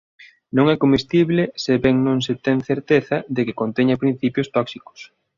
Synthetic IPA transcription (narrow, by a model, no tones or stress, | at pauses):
nõŋɛkomist̪iβlɪseβɛŋnõŋset̪ɛŋθeɾt̪eθɐðekɪkont̪ɛɲɐpɾin̟θipjʊst̪ɔksiko̥s